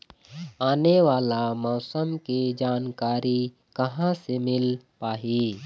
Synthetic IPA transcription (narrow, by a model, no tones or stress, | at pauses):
aːneʋaːlamɔːsəmkid͡ʒaːnkaːɾi | kɐɦãsemɪlpaːɦi